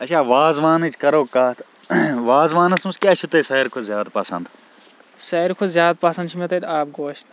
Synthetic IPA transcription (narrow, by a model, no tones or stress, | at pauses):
ɐt͡ʃʰaːʋaːzʋaːnɨt͡ʃʰkɐɾoːkaːt̪ʰ | ʋaːzʋaːnɐsumskʲaːt͡ʃʰut̪ɐsɐːɾkʰozʲjaːd̪pɐsɐ̰nd̪ | sɐɾkʰozjaːd̪̚paːsɐnd̪ʃʰumet̪ɐt̪aːp̚ɡoːʃt̪